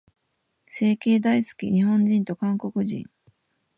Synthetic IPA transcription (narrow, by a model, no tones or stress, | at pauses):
se̞ːke̞ːd̪aisɨ̥kʲḭɲ̟iɦõ̞ɲ̟d͡ʑĩnt̪o̞kãŋko̞kɯ̟ʑḭ̃ŋ